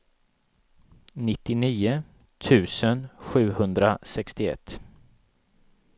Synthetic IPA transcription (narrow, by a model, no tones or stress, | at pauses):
nɪt̪ːɪniːʊ | t̪ʰʉ̟ːsənɧʉ̟ːhɵnd̪ɾasɛkst̪ɪɛ̰t̪ː